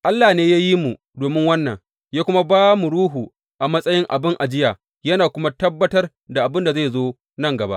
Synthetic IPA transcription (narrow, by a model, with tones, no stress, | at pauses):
ʔa˦lːaː˨neː˦jaː˦ji˦mu˨ | doː˨mɪ˦ŋwɐ˦nːɐ˨ŋ | jaː˦kʷʊ˦ma˦baː˦mu˨ɽuː˦ɦuː˨ | ʔa˨mɐ˦sʼɐ˦jɪ˦ŋʔa̰˨bɪ˦ŋʔa˨d͡ʒɪ˦jaː˨ | jɐ˦naː˨kʷʊ˦ma˦tɐ˦bːɐ˦tɐ˦r | da˨ʔa˨bɪ˦nda˨ze˦˨jzoː˦ | nɐ˦˨ŋɡɐ˨ba̰˦ʔ